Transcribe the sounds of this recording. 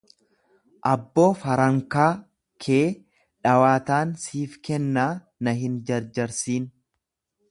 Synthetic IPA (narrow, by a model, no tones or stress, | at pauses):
ʔɐbːo̞ːfɐɾɐŋkaː | kʰeː | ᶑɐwaːt̪aːnsiːfkɛnːaː | nɐɦɪnd͡ʒɐɾd͡ʒɐɾsiːn